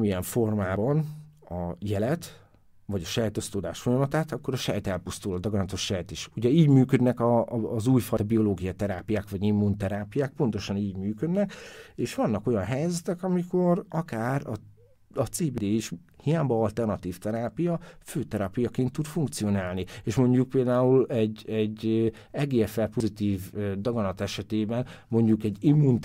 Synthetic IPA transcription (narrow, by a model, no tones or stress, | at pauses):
miɛɱfo̞rmaːbɒnɒjɛlɛt̪ | vɒɟɒʃɛjt̪o̞st̪oːd̪a̰ːʃfo̞jɒmɒt̪aːt̪ɒkːo̞ɾɒʃɛjt̪ɛlpust̪ulɒd̪ɒɡrɒnt̪oʃːɛjt̪iʃuɟɛiːɟmyːkø̞d̪nɛkɒzuːjfɒjt̪ɒbijo̞loːɡijɒt̪ɛɾaːpijaːkʋɒɟimːunt̪ɛɾaːpijaːk̚po̞nt̪o̞ʃɒniːɟmyːkø̞d̪nɛkeːʃʋɒnːɒko̞jɒnɦɛjzɛt̪ɛkɒmiko̞rɒkaːrɒ | ɒt̪seːbed̪eːiʃ | hijaːbɒɒlt̪ɛrnɒt̪iːft̪ɛɾaːpijɒføːt̪ɛɾɒːpijɒkeːnt̪ːud̪fuŋk̚t̪sijo̞naːlnieːʃmo̞ɲɟuk̚peːld̪aːulɛɟɛɟ | ɛɡeːɛfɛlpozit̪iːvød̪ɒɡɒnɒt̪ɛʃɛt̪eːbɛnmo̞ɲɟukɛɟːimːun